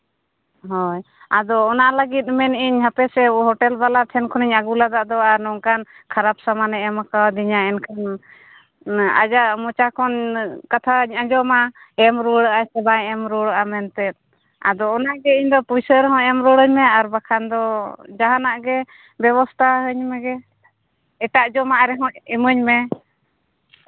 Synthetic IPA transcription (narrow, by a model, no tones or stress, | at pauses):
ɦɔj | ad̪ɔːnaʔlaɡit̪̚ˀmɛniɲɦapɛsɛɦɔʈɛlbalat̪ʰɛnkʰɔniɲaɡulad̪aʔd̪ɔaɾnɔŋkankʰaɾap̚samanɛɛmakawad̪iɲaɛnkʰan | a̰d͡ʒaʔmɔt͡ʃakʰɔnkat̪ʰaɲad͡ʒɔmaɛmɾuɽəʔasɛbaɛ̃ɛmɾɔɽəʔamɛnt̪ɛt̪̚ˀ | a̰d̪ɔːnaʔɡɛiɲd̪ɔpujsəɾɦɔ̃ɛmɾɔɽəɲmɛaɾbakʰand̪ɔd͡ʒaɦanaʔɡɛ | bɛβɔst̪ʰaɦəɲmɛɡɛ | ɛʈaʔd͡ʒɔmaʔɾɛɦɔ̃iməɲmɛ